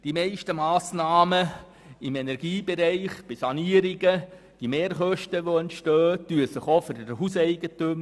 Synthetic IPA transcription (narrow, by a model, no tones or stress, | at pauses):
d̥imɛɪʃtəmaːsnɑːmə | ɪmenɛɾɡ̥iːbeɾɛɪχb̥ɪsɑniːəɾɪɡə | d̥imeːɾχœʃtəʋoɛntʃtœːtyːəsɪχofʏɾdəɦusɛɪɡətʉm